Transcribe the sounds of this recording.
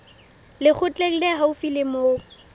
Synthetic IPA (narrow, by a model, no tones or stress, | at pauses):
lɪk͡xʰʊt͡ɬʼel̩lɛɦaʊfilɪmoː